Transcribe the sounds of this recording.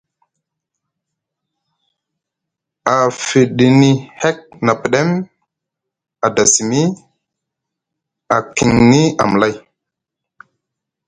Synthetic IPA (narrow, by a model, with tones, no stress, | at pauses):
a˨fi˨ɗi˨ni˨hɛ˦k̚na˨pi˨ɗe˦m | a˨da˨si˨mi˦ | a˨ki˨ŋni˦a̰˨m˨la˦j